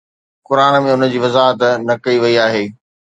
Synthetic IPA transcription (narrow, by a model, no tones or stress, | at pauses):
kʊɾaːnmẽʊnə̆d͡ʑiːʋɐzaːɦət̪nɐkɐiʋɐiaːɦeː